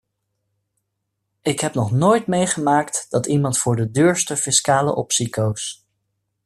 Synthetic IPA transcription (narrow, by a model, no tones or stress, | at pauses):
ɪkɦɛpnɔχnojtmejχəmaːktd̥ɑtimɑntfʊːɹdədøːɹstəfɪskaːlə̰ʔɔpsikows